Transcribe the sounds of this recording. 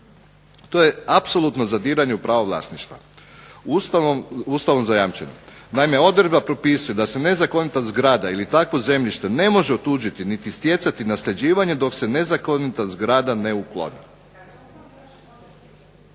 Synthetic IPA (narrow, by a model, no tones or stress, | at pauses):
t̪o̞je̞apso̞lˠut̪no̞zad̪iːɾaɲeupɾaʋoʋlˠa̰ːsniʃt̪ʋa̰ | uːst̪aʋomzajamt͡ʃe̞̰no | naime̞o̞d̪ɾed̪̚bapɾo̞pisujed̪ase̞ne̞zako̞nit̪azɡɾaːd̪ailit̪akʋo̞ze̞mʎiʃt̪e̞ne̞mo̞ʒeot̪uːd͡ʒit̪init̪ist̪je̞t̪sat̪inasʎʲe̞d͡ʑiːʋaɲe̞d̪o̞kse̞ne̞zakonit̪azɡɾaːd̪ane̞uklˠo̞̰ni